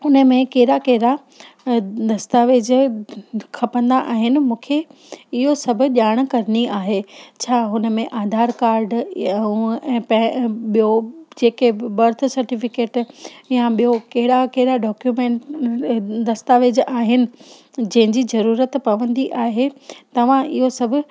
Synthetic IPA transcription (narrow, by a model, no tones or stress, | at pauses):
ʊnə̆mẽkɐɦɪɾakɐɦɪɽa | d̪ɐst̪aʋed͡ʑ | kʰɐpə̃nd̪aʔaːɦɪnɪ̆mũːkʰe | ɪɦosɐbʱʊ̆ʄaːɽ̃kɐɾəniʔaːɦet͡ɕʰaːɦʊnə̆mẽʔaːd̪ʱaːɾkaːɾɖ | ɛ̃ːpɐɓijod͡ʑeːkebɐɾt̪ʰsɐɾʈifɪkeːʈjaɓijokɐɦɪɽakɐɦɪɽaɖɔːkjumẽːɳʈ | d̪ɐst̪aʋeːd͡ʑʔaːɦɪnɪ̆d͡ʑɐ̃ɦɪ̃ɲd͡ʑizɐɾuːɾət̪pɐʋə̃nd̪iʔaːɦet̪ɐʋ̤ãʔɪ̰ɦosɐbʱʊ̆